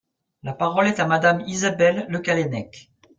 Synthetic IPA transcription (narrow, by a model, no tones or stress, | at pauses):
lapaʁɔlɛt̪amad̪amizabɛlːəkalɛnɛk